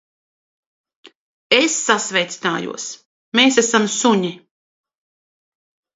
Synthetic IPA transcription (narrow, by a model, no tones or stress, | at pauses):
esːasvɛjt̪si̥naːjṵɔs | meːsæsamsuɲi